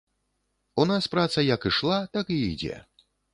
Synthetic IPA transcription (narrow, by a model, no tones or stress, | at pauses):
unaspɾat̪sɐjɐkiʂlˠat̪akiːd͡zʲɛ̰